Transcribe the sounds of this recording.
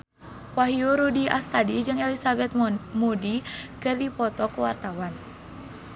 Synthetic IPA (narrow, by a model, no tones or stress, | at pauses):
waɦiuɾudia̰st̪adid͡ʒɨŋɛlisabɛt̪̚mudikɨrdipɔt̪ɔkuwart̪awan